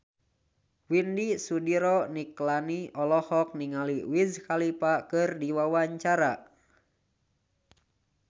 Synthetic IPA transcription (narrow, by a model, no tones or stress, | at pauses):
windisudiɾɔniklaniʔɔlɔhɔk̚niŋaliwizkalipakɨrdiwawaɲt͡ʃaɾa